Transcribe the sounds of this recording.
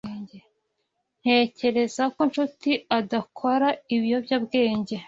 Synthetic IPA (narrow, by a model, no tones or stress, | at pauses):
e | n̥he̞ːce̞ɾe̞zako̞nʃutiadakʰo̞ɾaiβijo̞bjabɡe̞ːɲɟe̞